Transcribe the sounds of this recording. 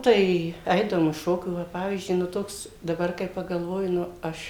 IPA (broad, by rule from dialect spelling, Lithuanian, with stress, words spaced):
ˈtɐɪ ˈɐɪdɐʋoːm ɪʃ ˈʃoːkʲuː ˈʋɐ ˈpɑːʋʲiːzʲd͡ʒʲʊɪ nʊ ˈtoːks dɐˈbɐr kɐɪ pɐˈɡɐlˠʋoːjɪ nʊ ˈɐʃ